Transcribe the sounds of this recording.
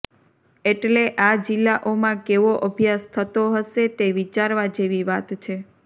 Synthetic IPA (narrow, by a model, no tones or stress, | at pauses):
eʈleʔad͡ʒilːaʔomãkeʋoʔəbʱjast̪ʰət̪oɦəʃet̪eʋit͡ʃaɾʋad͡ʒeʋiʋat̪t͡ʃʰe